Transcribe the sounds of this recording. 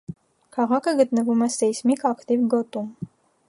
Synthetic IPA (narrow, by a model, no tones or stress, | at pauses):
kʰɑʁɑkʰəɡət̪nəvumɛsɛsmikɑkt̪ivɡɔt̪um